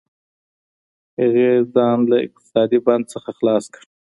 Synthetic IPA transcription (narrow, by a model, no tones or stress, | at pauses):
haɣezɑnlaɪ̰q̚t̪ɪ̥sɑd̪iband̪̚səxaxlɑskɽ